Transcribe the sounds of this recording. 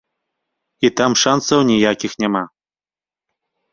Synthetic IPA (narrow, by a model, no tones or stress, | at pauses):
it̪amʂansɐwnʲijakʲixnʲɛma